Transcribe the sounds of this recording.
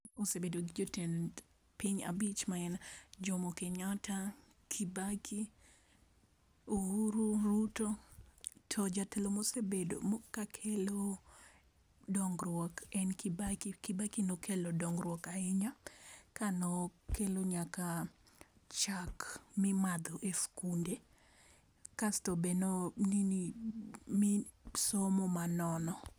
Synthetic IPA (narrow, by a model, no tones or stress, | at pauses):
osebedoɡid͡ʒoten | piɲa̰bit͡ʃmaɛnd͡ʒɔmokeɲata | kʰibakʰi | ohuɾuɾuto | tʰɔd͡ʒatelomosebedo̰mokːakʰelo | dɔŋɡɾwɔkɛnkibakkɪbakinokʰelodɔŋɡɾwɔkaɪɲakanɔkeloɲaka | t͡ʃakmɪmad̪ɔʔefkunde | kastobenɔnini | misomɔmanɔnɔ